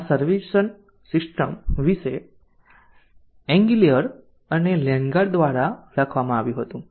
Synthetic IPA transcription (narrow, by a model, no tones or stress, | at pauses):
asəɾʋiʃən | sisʈəmʋise | ɛ̃ŋɡilijəɾ | ənelɛ̃ŋɡaɾd̪ʋaɾaɾakʰʋamãaʋjũɦət̪ũ